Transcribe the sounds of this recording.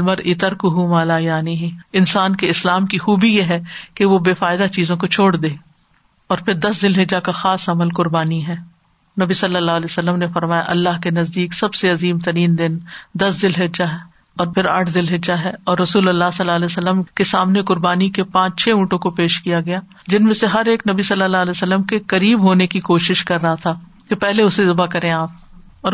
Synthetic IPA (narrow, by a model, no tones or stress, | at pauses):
lməɾɪt̪əɾkuɦumaːlaːjaːniɦɛ̃ɪnsaːnkeɪslaːmkixuːbijeɦɛkeʋobeːfaːɪd̪at͡ʃiːzõkot͡ʃʰoːɽd̪eː | ɔːɾpʰɪɾd̪ɐsd̪ɪlɦɪd͡ʒakaxaːsɐməlkʊɾbaːniɦɛː | nɐbisɐlːəlːaːɦlɛːsɐlːəmnefɐɾmaːja̰ʔɐlːaɦkenɐzd̪iːksɐbseɐziːmt̪ɐɾiːnd̪ɪnd̪ɐsd̪ɪlɦɪd͡ʒaɦɛ | ɔːɾpʰɪɾa̰ːʈʰd̪ɪlɦɪd͡ʒaɦɛɔːɾːɐsuːlɐlːasɐlːaːlɛːsəlːəmkesaːmnekʊɾbaːnikepãːt͡ʃt͡ʃʰɛːũːʈõkopeːʃkijaɡɐjaː | d͡ʒɪnmẽseɦɐɾeːknɐbisɐlːəlːaːlɛːsəlːəmkekɐɾiːbɦoːnekikoːʃɪʃkɐɾːɐɦat̪ʰaː | kepɛɦleʊsezɪbakɐɾẽaːp̚ | ɔːɾ